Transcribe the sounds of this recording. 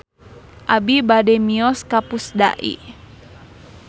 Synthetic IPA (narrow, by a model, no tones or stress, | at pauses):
ʔabibadɛmiɔskapusda̰ʔḭ